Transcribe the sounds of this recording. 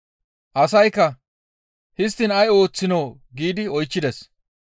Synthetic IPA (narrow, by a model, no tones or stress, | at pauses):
ʔɐsɐjkːɐ | hɪs̬t̪ːɪnɐjo̞ːt͡sːɪnow | ɡiːd̪ɪɔjt͡ʃːɪd̪ɛs